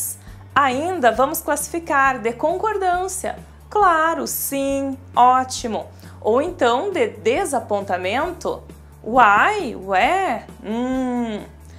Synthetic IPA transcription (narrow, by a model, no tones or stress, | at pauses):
s | aĩnd̪ɐvɐ̃mʊsklasi̥fikaɾd̪ekõkoɾd̪ɐ̃siɐ̰ | klaɾʊsĩ | ɔt͡ʃimʊ | owẽnt̪ɐ̃w̃d̪ed̪ezapõnt̪amẽnt̪ʊ̰ | ajɛ̃